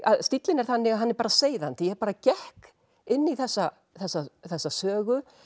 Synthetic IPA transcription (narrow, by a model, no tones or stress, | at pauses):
a̰ðst̪it̪lɪnɛɾ̥θanːɪɣaɦanːɛɾpaːɾaseːjðant̪ɪjɛɛɾpaːɾacɛhk | ɪnːiθɛsːa | θɛsːaθɛsːasœːɣʏ